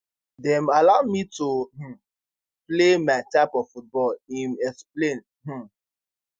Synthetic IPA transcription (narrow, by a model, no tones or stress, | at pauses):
dɛ̃malaʊmitoɦ̩ | plemaɪtaɪpɔffut̚bɔlĩmɛksplẽn | ɦ̩